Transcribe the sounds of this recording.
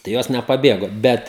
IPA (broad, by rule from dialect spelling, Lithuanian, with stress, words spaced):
tɐɪ ˈjoːs nʲɛpɐˈbʲeːɡoː ˈbʲɛt